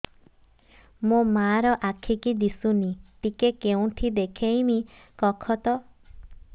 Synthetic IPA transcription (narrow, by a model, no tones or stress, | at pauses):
mõmaɾɔʔakʰikid̪isuniʈikekeũʈʰid̪ekʰejni | kɔkʰɔt̪ɔ